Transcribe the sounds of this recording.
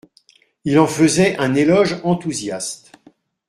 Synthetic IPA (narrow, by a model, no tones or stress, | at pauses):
ilɑ̃fəzɛʔɛ̃nelɔʒɑ̃t̪uzjast̪